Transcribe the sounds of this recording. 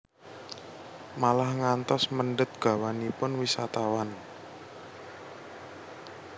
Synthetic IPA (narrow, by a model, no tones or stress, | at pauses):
malahŋant̪ɔsməɳɖət̪̚ɡ̥a̤wanipʊnwisat̪awan